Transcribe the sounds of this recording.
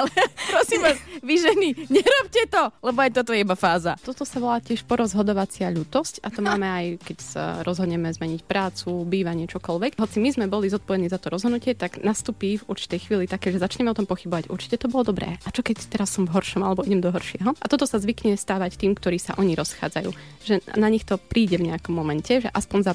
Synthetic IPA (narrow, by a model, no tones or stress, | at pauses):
alɛpɾɔsimʋasʋiʒɛniɲɛɾɔpcɛt̪ɔlɛbɔajt̪ɔt̪ɔjɛibafaːzat̪ɔt̪ɔsaʋɔlaːcɪɛʃpɔɾɔzɦɔd̪ɔʋat͡sɪaʎuːt̪ɔscat̪ɔmaːmɛajkɛcsa̰ɾɔzɦɔd̪ɲɛmɛzmɛɲicpɾaːt͡subiːʋaɲɪɛt͡ʃɔkɔlʋɛkɦɔt͡simizmɛbɔlizɔt̪̚pɔʋɛd̪niːzat̪ɔɾɔzɦɔd̪nucɪɛt̪aɡnast̪uːpivuɾt͡ʃi̥t̪ɛjxʋiːlit̪akɛːʒɛzat͡ʃɲɛmɛɔt̪ɔmpɔxibɔʋacuɾt͡ʃi̥cɛt̪ɔbɔlɔd̪ɔbɾɛ̰ːat͡ʃɔkɛct̪ɛɾasːɔmvɦɔɾʃɔmalɛbɔiɟɛmd̪ɔɦɔɾʃɪɛɦɔʔat̪ɔt̪ɔsazʋikɲɛst̪aːʋact̪iːmkt̪ɔɾiːsa̰ʔɔɲiɾɔsxa̰ːd͡zajṵː | ʒɛnaɲixt̪ɔpɾiːɟɛvɲɛakɔmːɔmɛncʰɛʒɛʔaspɔɲza